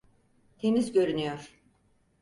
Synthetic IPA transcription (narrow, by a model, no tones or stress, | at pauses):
t̪ʰenizɟø̞ɾynyjoɾ̥